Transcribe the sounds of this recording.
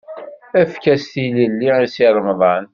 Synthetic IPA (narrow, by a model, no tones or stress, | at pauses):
æfkæst̪iləlːiisiɾˤmðˤɑn